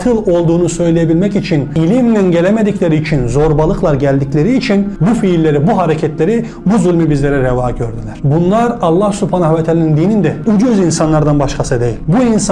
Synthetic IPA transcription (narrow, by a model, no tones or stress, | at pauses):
t̪ʰɯlˠo̞lˠd̪uːnusø̞jlʲejebilʲmɛcit͡ʃʰinilʲimnʲinɟe̞lʲemed̪iclʲe̞ɾiːt͡ʃʰinzo̞ɾbalˠɯklˠaɾɟælʲd̪iclʲeɾiːt͡ʃʰinbufiːlʲːeɾibuɦaɾecʰɛt̪ʰlʲeɾi | buzulʲmibizlʲeɾɛɾɛvaːɟøɾd̪ylʲæɾ̥bunlˠaɾɑlˠːahsupʰanaɦvɛt̪ʰɛlʲinind̪iːnind̪ɛud͡ʒyzinsanlˠaɾd̪anbaʃkʰasɯd̪ejilʲbuins